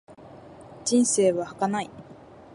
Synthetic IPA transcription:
d͡ʑĩɰ̃se̞ːβahakanai

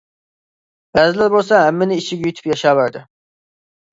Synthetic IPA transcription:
b̥æzɪlæɾbolˠsɑɦæmːɪnɪiʃɪɡʲɛjyt̪ʰy̥pjɑʃɑːvæɾd̪ɪ

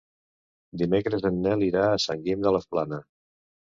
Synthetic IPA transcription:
d̪imekɾəzənːɛliɾaəsaŋɡimd̪ələsplanə

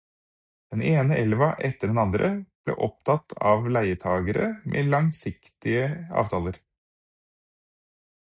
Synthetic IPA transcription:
d̪̥ɛneːnəʔɛlʋɑʔɛt̪ːəɖɛnɑnd̪ɾʔəb̥lḛːʔɔp̚t̪ʰɑt̪ʰːɑ̰ːʋlæɪət̪ʰɑːɡəɾə̰mʔḛːlɑŋsɪkt̪ɪəɑ̰ːʋt̪ʰɑːləɾ

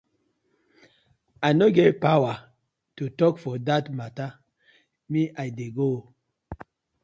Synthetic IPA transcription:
aɪnoɡevpawa | tutɔkfɔdatmata | miʔaɪdeɡo

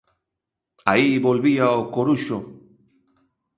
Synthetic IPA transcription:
aiβo̞lβiaokoɾuʃo

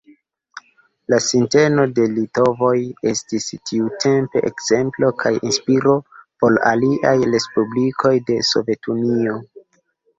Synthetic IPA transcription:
lasinte̞no̞de̞lito̞vo̞je̞stistʰiutʰe̞mpe̞̰ʔḛkz̥e̞mplo̞kʰajinspiɾo̞po̞la̰liʔajɾe̞spublikʰo̞jde̞so̞̰ve̞tʰunio̞

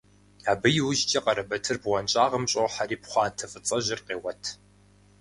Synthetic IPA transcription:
aːbɨjɪwʊʒt͡ʃʼɐqɐɾɐbɐtʰɨrbʁʷɔnt͡ʃʼaːʁɐmɕʼɐwħaɾiːpχʷɑːntʰɐfɨt͡sʼɐʒɪrqeːwɐtʰ

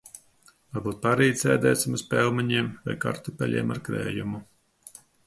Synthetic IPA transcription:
vaɾbuːt̪̚paɾiːsɛːd̪ɛːt̪sʲimuspɛlˠmaɲiɛmvɛ̰jka̰ɾt̪upʲɛlʲḭːma̰ɾkɾɛ̰ːjumu

